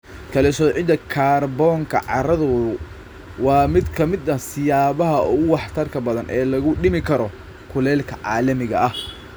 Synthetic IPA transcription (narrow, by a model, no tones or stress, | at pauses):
kʰɐlɛsɔːʕɪd̪ɐkʰaːrbɔːŋkʰɐ̰ʕɑ̰ɾɐðʊ | wɑːmɪd̪kʰɐmɪd̪nɐsɪjaːβɐɦɐʔɔɣʊwɑħt̪ʰɐrkʰɐbɐðɐnʔɛːlɐɣʊɖɪmɪkʰɐɾɔ | kʰʊlɛːlkʰɐʕɑ̰ːlɐmɪɣɐʔɐh